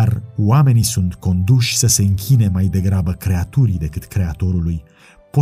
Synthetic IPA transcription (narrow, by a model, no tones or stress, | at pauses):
arwame̞nisunt̪ko̞nd̪uʃʲsəse̞ɨŋkʲine̞majd̪e̞ɡɾabəkɾe̞at̪uɾid̪e̞kɨt̪kɾe̞at̪o̞ɾuluj | po